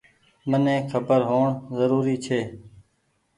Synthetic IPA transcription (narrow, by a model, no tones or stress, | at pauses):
mənẽːkʰəbəɾɦoːɳzəɾuːɾiːt͡ʃʰeː